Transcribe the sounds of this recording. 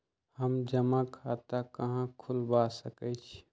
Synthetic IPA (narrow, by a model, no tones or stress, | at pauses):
həmd͡ʒəmakʰat̪akəɦãkʰulbasəkɛt͡ʃʰ